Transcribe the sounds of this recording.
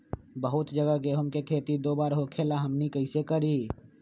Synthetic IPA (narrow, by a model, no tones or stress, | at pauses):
bəɦʊt̪d͡ʒəɡəkeɦʊmkekʰeːt̪id̪oːbaːɾɦokʰelaɦəmnikəɪsekəɾi